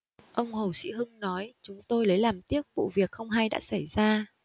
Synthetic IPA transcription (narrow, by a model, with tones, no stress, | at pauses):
ʔə˧wŋ͡mho˨˩sḭ˧˥ɦɨ˧ŋnɔ˨˦jt͡ɕʊ˨˦ŋ͡mt̪o˧jlə˨˦jlaː˨˩mt̪i˦˥ək̚vṵ˧˨vi˨˩ək̚xə˧wŋ͡mɦa˧jɗa̰ː˧˥sa˧˩jzaː˧